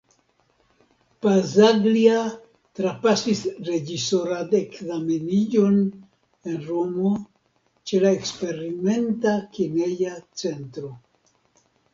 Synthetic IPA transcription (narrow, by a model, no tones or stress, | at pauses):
pazaɡlia | tɾapasisɾe̞d͡ʒiso̞ɾadekzame̞nid͡ʒo̞n | e̞nɾo̞mo̞ | t͡ʃe̞lae̞kspe̞ɾime̞ntakine̞jat͡se̞ntɾo̞